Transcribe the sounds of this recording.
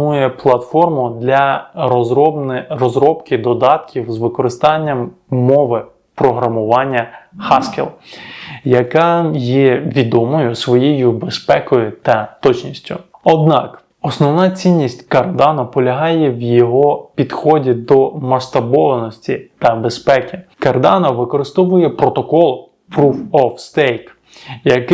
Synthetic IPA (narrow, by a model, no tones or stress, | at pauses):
ujɛplˠɐt̪fɔrmʊd̪lʲɐɔɔb̪rɔzɾɔpkɪd̪ɔd̪ɑt̪kʲiwzʋɪkɔɾɪst̪ɑnʲːɐmmɔʋɪ | pɾɔɦɾɐmʊʋɑnʲːɐxɑskḛlˠ | jɐkɑjɛʋʲid̪ɔmɔjʊsʋɔjejʊbespɛkɔjʊt̪ɐt̪ɔt͡ʃnʲisʲtʲʊɔd̪nɑk | ɔsnɔwnɑt͡sʲinʲːisʲtʲkɐrd̪ɑnɔpɔlʲɐɦɑjɛwjɔɦɔpʲid̪xɔdʲid̪ɔmɐʃt̪ɐbɔʋɐnɔsʲtʲit̪ɐbespɛkʲɪkɐrd̪ɑnɔʋɪkɔɾɪst̪ɔʋʊjɛpɾɔt̪ɔkɔlˠ | pɾufɔfst̪ɛjk | jɐkɪ